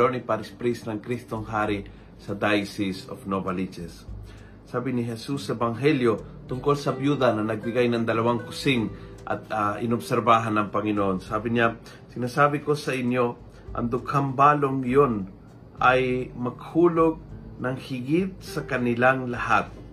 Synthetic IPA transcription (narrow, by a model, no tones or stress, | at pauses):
onɪpaɾɪspɾisnɐŋkɾist̪oŋɦaːɾɪ | sɐd̪ajsɪso̰fnobalit͡ʃɛsː | aːbɪnɪɦɛsusːɐɛbaŋɦɛljo | t̪ʊŋkolsɐbjuːd̪anɐnɐɡ̚bɪɡajnɐŋd̪ɐlɐwaŋkʊsɪŋ | ʔɐ̰t̪aʔɪnʊbsɛɾbaːɦanːɐŋpɐŋɪnoʔonsaːbɪɲa | sɪnaːsaːbɪko̞sɐʔɪnjo̞ | ʔɐ̰ŋd̪ʊkhambaːloŋjon | ʔajmɐɡ̚huːloɡ̚nɐŋhɪɡɪt̪̚sɐkɐnɪlaŋlɐhat̪̚